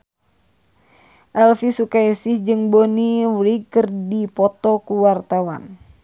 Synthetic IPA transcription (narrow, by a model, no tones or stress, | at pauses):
ʔɛlfisukaisihd͡ʒɨŋboniwɾiɡkɨrdipɔt̪ɔkuwart̪awa̰n